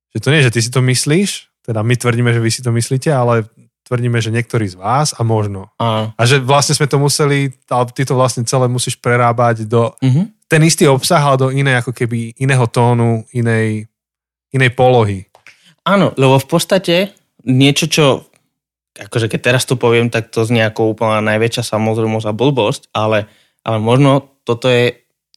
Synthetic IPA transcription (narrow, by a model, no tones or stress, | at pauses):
ʒ̥ɛt̪ɔɲɪɛʒɛt̪is̬it̪ɔmisliːʃt̪ɛd̪amit̪ʋr̩ɟiːmɛʒɛʋisi̥t̪̬ɔmisliːcɛalɛ | t̪ʋrɟiːmɛʒɛɲɪɛk̚t̪ɔɾiːzʋaːzamɔʒnɔaːnɔaʒɛʋlasɲɛzmɛt̪ɔmusɛliat̪it̪ɔʋlasɲɛt͡sɛlɛːmusiːʃpɾɛɾaːbaɟd̪ɔɦt̪ɛnist̪iːɔpsaɣalɛd̪ɔinɛjakɔkɛbiinɛːɦɔt̪ɔːnuinɛj | inɛjpɔlɔɦi | aːnɔ̰lɛbɔfpɔt̪st̪acɛ | ɲɪɛt͡ʃɔt͡ʃɔ | akɔʒɛkɛc̚t̪ɛɾast̪ɔpɔʋɪɛmt̪ak̚t̪ɔzɲɛakɔʊupl̩ɲanajʋɛt͡ʃɪasamɔzɾɛmɔsabl̩bɔscalɛ | ʔalɛmɔʒnɔt̪ɔt̪ɔjɛ